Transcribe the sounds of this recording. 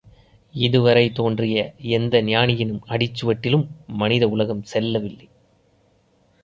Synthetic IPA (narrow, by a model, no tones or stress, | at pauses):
ɪðɯʋɐɾɐɪt̪oːndrɪjɐɛnd̪ɐnɪjaːɳɪjɪnɯmɐɽɪt͡ʃːɯʋɐʈːɪlɯmːɐnɪðɐʊlɐɣɐmsɛlːɐʋɪlːɐɪ